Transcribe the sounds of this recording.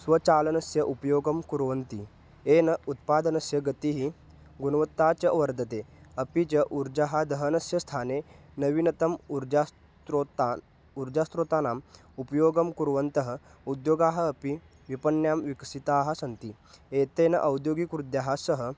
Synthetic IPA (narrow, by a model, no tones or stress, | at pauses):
sʋɐt͡ɕaːlɐnɐsjɐʔupɐjoːɡɐmkuɾʋɐnt̪i | enɐut̪̚paːd̪ɐnɐsjɐəɡɐt̪iɦi | ɡunɐʋɐt̪ːat͡ɕɐʋɐɾd̪ʱɐt̪eɐpit͡ɕɐʔuɾd͡ʑaɦad̪ɐɦənɐsjɐst̪ʰaːne | nɐʋinɐt̪ɐmɾa | t̪ɾot̪ | uɾd͡ʑast̪ɾot̪aːnaːm | upɐjoːɡɐmkuɾʋɐnt̪əɦəud̪joːɡaːɦɐːpi | ʋipɐnjamʋiksit̪aːɦɐ̆sɐnt̪i | et̪enɐ̰ʔɐwd̪joːɡikɾud̪jaɦasəɦə